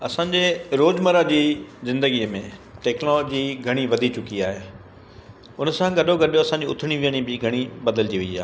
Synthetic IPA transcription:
ɐsãːɲd͡ʑeːɾoːd͡ʑməɾad͡ʑiːzɪ̃nd̪əɡiəmẽʈɛːknɔlːd͡ʑiɡʱɐɽ̃iʋɐd̪ʱit͡ɕʊkiaːɦeː | ʊnsãɡɐɖʱoɡʱɐɗijoɐsãɲd͡ʑiʊt̪ʰɪɽ̃iʋiəɽ̃ibɪɡʱɐɽ̃ibɐd̪əld͡ʑiʋeia̰ː

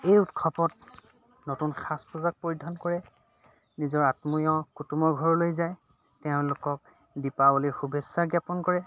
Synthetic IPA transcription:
ejutkʰɔpɔt̚ | notunxaspuzak̚poɹidʱɔnkɔɹɛ | nizɔɹatmujɔkutumɔɹɡʱɔɹɔlojzaj | tɛʊ̃lʊkɔk̚ | dipabɔliɹxubʱesːaɡjapɔnkɔɹɛ

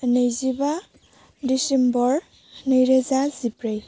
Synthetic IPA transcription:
nejziba | disembɔɾ | nɯjɾezazipɾaj

